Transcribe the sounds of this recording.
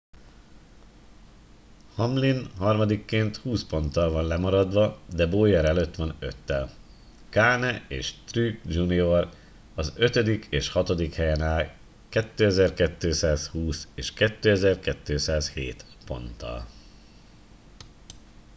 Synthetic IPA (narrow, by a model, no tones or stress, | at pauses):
hɒmlinɦɒrmɒd̪ikːeːnt̪huːspo̞nt̪ːɒlvɒnlɛmɒɾɒd̪ʋɒd̪ɛboːjɛɾɛløt̪ʋɒnø̞t̪ːɛl | kaːnɛeːʃt̪rykd͡ʒunio̞r | ɒzøt̪ød̪ikʰeːʃhɒt̪o̞d̪ikhɛjɛnaːl | kɛt̪ːøːɛzɛrkɛt̪ːøːsaːshuːseːʃkɛt̪ːøːɛzɛrkɛt̪ːøːsaːshḛːt̪po̞̰nt̪ːɒ̰l